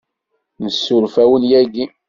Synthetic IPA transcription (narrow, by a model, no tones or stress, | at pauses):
nəsːʊɾfæwənjæɡi